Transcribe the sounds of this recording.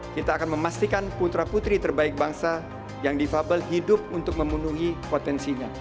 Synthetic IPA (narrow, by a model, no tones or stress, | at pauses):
kit̪aːkanməmast̪ikanput̪ɾaput̪ɾit̪ərbaɪk̚baŋsa | jaŋdifabəlɦidʊp̚unt̪ʊk̚məmunuɦipot̪ɛnsiɲa